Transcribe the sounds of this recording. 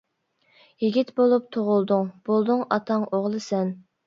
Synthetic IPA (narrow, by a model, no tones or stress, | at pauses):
jiɡʲit̪bolˠup̚t̪ʰoʁʊlˠd̪ʊŋb̥olˠd̪ʊŋɑt̪ʰɑŋʔoʁlˠɨsɛn